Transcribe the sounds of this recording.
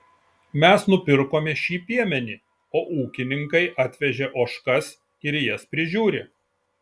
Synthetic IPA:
mʲɛsnʊpʲɪɾkoːmʲɛʃʲiːpʲiɛmʲɛnʲiː | oːʔuːkʲɪnʲɪŋkɐɪʔɑːt̪ʲʋʲɛʒʲeʔoːʃkɐs | ɪɾjɛspʲɾʲɪʒʲuːɾʲe

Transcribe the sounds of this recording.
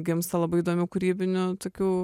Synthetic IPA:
ɡʲɪmst̪ɐlˠɐbɐɪid̪oːmʲʊkʊɾʲiːbʲɪnʲʊt̪oːkʲuː

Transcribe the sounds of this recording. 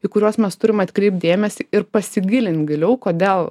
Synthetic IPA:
iːkʊɾʲuːsmʲɛst̪ʊɾʲɪmɐt̪ʲkɾʲɛɪp̚t̪̚d̪ʲeːmʲɛsʲɪɪɾpɐsʲɪɡʲɪlʲɪnʲt̪ɡʲɪlʲɛʊkoːd̪ʲeːlˠ

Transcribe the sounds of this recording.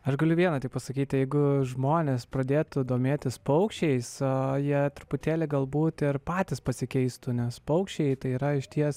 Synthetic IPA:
ɐʃɡɐlʲʊʋʲiɛnɐt̪ʲɪk̚pɐsɐkʲiːt̪ʲjɛɪɡʊʒmoːnʲespɾɐd̪ʲeːt̪ʊd̪oːmʲeːt̪ʲɪspɐʊkʃʲɛɪsɐjiɛt̪ɾʊpʊt̪ʲeːlʲɪɡɐlˠbuːt̪ɪɾpɑːt̪ʲɪspɐsʲɪkʲɛɪst̪ʊnʲɛspɐʊkʃʲt͡ʃʲɛɪt̪ɐɪiːɾɐɪʃt̪ʲiɛs

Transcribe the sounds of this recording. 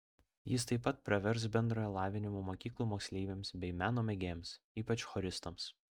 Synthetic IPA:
jɪst̪ɐɪpːɐt̪̚pʲɾʲɐʋʲɛɾs̬bʲɛnd̪ɾoːjɛlˠɑːʋʲɪnʲɪmuːmoːkʲiːklˠuːmoːksʲlʲeːɪʋʲeːmsbʲɛɪmʲæːnoːmʲɛɡʲeːms | iːpɐt͡ʃxoɾʲɪst̪ɐms

